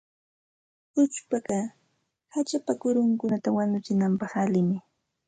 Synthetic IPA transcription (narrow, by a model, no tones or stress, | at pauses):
ʊt͡ʃpakɑ | hat͡ʃapakʊɾʊŋkʊnat̪awanʊt͡ʃɪnampɑχalɪmɪ